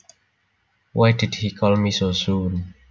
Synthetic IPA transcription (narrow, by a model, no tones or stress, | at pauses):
wʔajdid̚hikʰɔlmisosũn